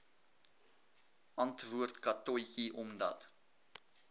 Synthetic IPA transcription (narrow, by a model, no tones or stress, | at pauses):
ʔɐntvuərtkɐtɔjkiʔɔmdɐ̰t